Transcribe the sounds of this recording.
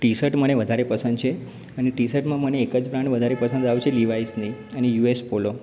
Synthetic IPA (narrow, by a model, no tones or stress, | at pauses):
ʈisəʈməneʋəd̪ʱaɾepəsə̃nd̪t͡ʃʰe | əneʈisəʈmãməneːkəd͡ʒpɾãɳʈʋəd̪ʱaɾepəsənd̪aʋt͡ʃʰeliʋaisnəiənejuespolo